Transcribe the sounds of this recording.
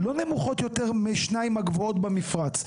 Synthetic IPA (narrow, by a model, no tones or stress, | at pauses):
lo̞ne̞muχo̞t̪jo̞teʁmeʃnaimaɡvoo̞t̪bemifʁat͡s